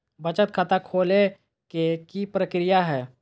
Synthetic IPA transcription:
bət͡ʃət̪̚kʰat̪akʰoːle | kekipɾəkɾɪjaɦɛː

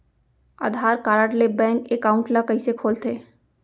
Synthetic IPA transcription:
a̰ːd̪ʱaːɾkaːɾəʈlebɛ̃ːŋkekaːʊ̃ɳʈlakɐisekʰoːlt̪ʰeː

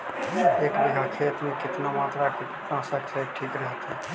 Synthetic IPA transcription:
eːkɾɪɦakʰeːt̪mẽkɪt̪namaːt̪ɾakɪnasəkʰeːʈʰiːkɾəɦt̪e

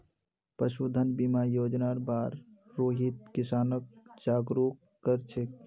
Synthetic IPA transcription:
pəʃud̪ʱənbimajod͡ʒnaɾbaɾː | oːɦit̪̚kisaːnəkd͡ʒaːɡɾukːəɾt͡ʃʰek

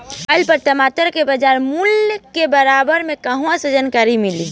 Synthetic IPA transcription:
əɪlpəɾt̪əmat̪əɾkebəd͡ʒaːɾmuljkebəɾabəɾmẽkəɦũãsəd͡ʒaːnkaːɾimiliː

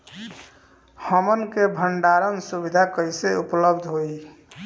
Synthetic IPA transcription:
həmənkebʱəɳɖaɾənsubid̪ʱakəjseupləbd̪ʱɦoj

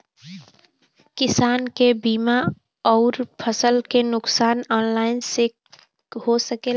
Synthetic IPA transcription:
kɪsaːnkebiːma | ɔːɾpʰəsəlkenʊksaːnɔːnlaːɪnse | hosəke

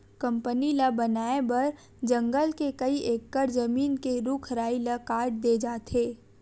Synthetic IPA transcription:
kɐ̃mpənilabɐnaːebɐɾ | d͡ʒɐ̃ŋɡəlkekɐiʔeːkːəɾzɐmiːnkeɾuːkʰɾaːilakaːɾʈ̚d̪eːd͡ʒaːt̪ʰeː

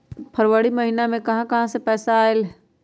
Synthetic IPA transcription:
pʰəɾʋəɽiməɦinamẽkɐɦãkɐɦãsepɛːsaːel

